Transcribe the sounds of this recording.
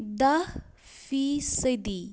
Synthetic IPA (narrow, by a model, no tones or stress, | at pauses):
d̪ah | fisəd̪i